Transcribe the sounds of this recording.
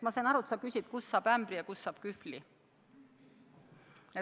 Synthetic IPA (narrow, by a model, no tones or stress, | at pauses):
mɑseːnɑɾuet̪sɑkysʲid̪̥kusːɑːb̥æmb̥ɾijɑkusːɑːb̥̚kyfli | e